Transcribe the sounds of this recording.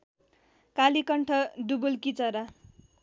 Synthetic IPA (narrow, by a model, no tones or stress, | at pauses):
kalikʌɳʈʰʌd̪ubulkit͡sʌɾa